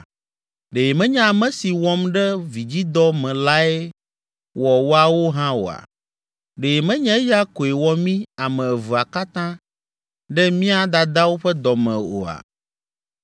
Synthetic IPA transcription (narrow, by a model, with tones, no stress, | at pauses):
ɖe˨mɛ̃˦ɲɛ̃˦a˨mɛ̃˦si˨wɔ˦mɖɛ˦vi˨d͡ʑi˦d̪ɔ˦mɛ̃˨la˦ɛ˦ | wɔ˨wo˦a˨wo˦ɦã˦wo̰˨a̰˨ | ɖe˨e˨mɛ̃˦ɲɛ̃˦ja˦ko˨e˨wɔ˦mĩ˦a˨mɛ̃˨vu˨a˨ka˦t̪ã˦ | ɖɛ˦mĩ˦a˦d̪a˨d̪a˦wo˦ɸɛ˦d̪ɔ˨mɛ̰̃˨o̰˨a̰˨